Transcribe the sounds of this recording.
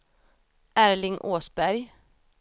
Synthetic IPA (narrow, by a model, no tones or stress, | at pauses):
ʔæɹlɪŋʔoːsbæɾj